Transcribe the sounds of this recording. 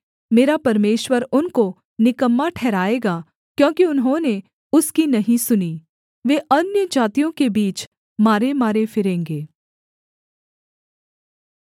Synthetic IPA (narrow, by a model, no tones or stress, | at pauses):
meːɾapɐɾmeːʃwəɾʊnko | nɪkəmːaʈʰɛːɾaːeːɡaː | kjõːkiʊnɦõne | ʊskinɐɦĩsʊniː | ʋeːʔɐnjəd͡ʒaːt̪ijõkebiːt͡ʃ | maːɾemaːɾefɪɾẽːŋɡeː